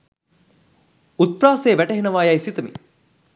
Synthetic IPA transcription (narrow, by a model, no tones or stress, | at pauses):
ut̪̚praːseːʋæʈɐɦenɐʋaːjajsit̪ɐmḭ